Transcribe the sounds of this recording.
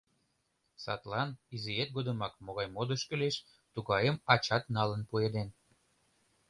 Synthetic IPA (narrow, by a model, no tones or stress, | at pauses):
sɑ̰t̪lɑniziet̪̚ɡod̪əmɑkmoɣɑjmod̪əʃkəleʃ | t̪uɣɑjəmɑt͡ɕɑt̪nɑlənpued̪en